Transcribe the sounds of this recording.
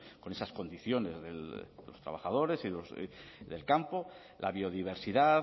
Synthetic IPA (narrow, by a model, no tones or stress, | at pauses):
ko̞ne̞sasko̞nd̪iθjo̞ne̞zðe̞̰lðelo̞st̪ɾa̰βaχað̞o̞ɾe̞siðoz̰ðe̞̰lkampo̞ | lʔa̰βio̞ðiβ̞e̞ɾsiða